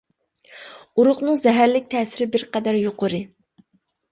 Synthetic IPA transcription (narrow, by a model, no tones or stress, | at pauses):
uɾʊχnɨŋzɛɦæɾlɪk̚ʲt̪ʰɛːsɪɾɪbɪɾqɛd̪æɾjoqʰʊɾɨ